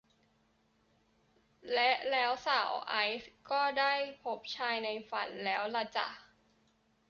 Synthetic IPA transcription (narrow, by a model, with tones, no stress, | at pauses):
lɛ˦˥ʔlɛː˦˥wsaː˨˩˦wʔa˦˥jskɔː˥˩daː˥˩jpʰo˦˥p̚t͡ɕʰaː˧jna˧jfa̰˨˩nlɛː˦˥wla˧t͡ɕa̰˨˩